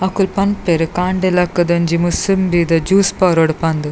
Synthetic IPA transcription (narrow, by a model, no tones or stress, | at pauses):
ɐkulpɐnpeɾɯkaːɳɖelɐkːɐd̪ɐnd͡ʒimusɨmbid̪ɐd͡ʒuːspaːɾoɽpɐnd̪ɨ